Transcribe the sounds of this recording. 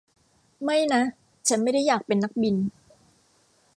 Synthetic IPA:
ma˥˩jna˦˥ | t͡ɕʰa˦˥nma˥˩jda˥˩jaː˨˩k̚pe˧nːa˦˥k̚bi˧n

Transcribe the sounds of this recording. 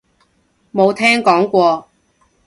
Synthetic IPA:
mo˨˧wt̪ʰɛː˥ŋkɔː˨˥ŋkʷɔː˧

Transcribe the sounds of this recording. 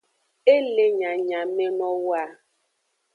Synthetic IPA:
e˦le˦ɲa˨ɲa˨me˦nɔ˦wa˦˨

